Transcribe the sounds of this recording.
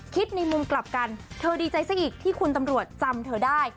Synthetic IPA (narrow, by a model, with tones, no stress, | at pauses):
kʰi˦˥t̪̚na˧jmu˧mkla˨˩p̚ka˧nt̪ʰɤː˧diː˧t͡ɕa˧jsa˧˥kʔiː˨˩k̚t̪ʰiː˥˩kʰu˧nt̪̬a˧mɾu˨˩ət̪̚t͡ɕa˧mt̪ʰɤː˧daː˥˩j